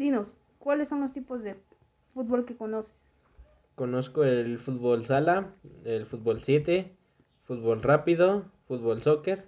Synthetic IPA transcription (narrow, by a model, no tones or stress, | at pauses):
d̪inos | kwalesːonlost̪ipozðe | fut̪̚bolkekonose̥s | konoskoelfut̪βolsalaelfut̪̚bolsjet̪e | fut̪βolrapiðofut̪̚βolsokeɾ